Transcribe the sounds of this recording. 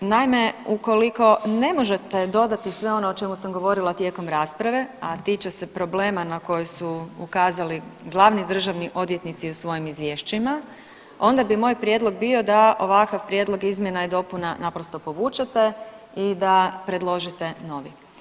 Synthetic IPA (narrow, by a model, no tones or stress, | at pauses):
naime̞uko̞liko̞ne̞mo̞ʒe̞t̪e̞d̪o̞d̪at̪isʋe̞o̞noot͡ʃe̞musamɡo̞ʋo̞ɾilat̪je̞ko̞mɾaːspɾaʋe̞at̪it͡ʃase̞pɾo̞ble̞ːmanako̞josuukaːzaliɡlˠaːʋnid̪r̩ʒaʋniʔo̞d̪je̞t̪nit̪siusʋo̞jimizʋje̞ʃt͡ʃima | o̞nd̪abimo̞ːjpɾje̞d̪lˠo̞ɡ̚bio̞d̪aʔo̞ʋakaʋpɾjed̪lˠo̞ɡizmje̞najed̪o̞punanapɾo̞st̪o̞po̞ʋuːt͡ʃet̪e̞ | id̪apɾe̞d̪lˠo̞ʒit̪e̞no̞ʋi